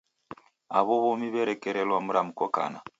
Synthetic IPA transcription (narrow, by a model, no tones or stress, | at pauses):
aβoβomiβeɾekeɾelwamuɾamukoka̰na̰